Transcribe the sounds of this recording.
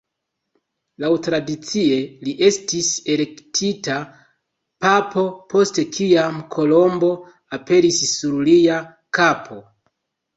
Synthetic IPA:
lawtɾadit͡sie̞liʔe̞stise̞le̞ktʰita | papʰo̞po̞ste̞kʰiamkʰo̞lo̞mbo̞ | ape̞ɾisːuɾlija | kapʰo̞

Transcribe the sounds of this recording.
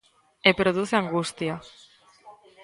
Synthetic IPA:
epɾoðuθeaŋɡust̪ja

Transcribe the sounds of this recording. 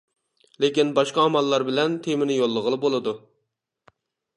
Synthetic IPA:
lekʲinbɑʃqɑːmɑlˠːɑɾbɪlɛnt̪ʰemɪnɪjolˠːəʁəlˠɨbolˠɨd̪u

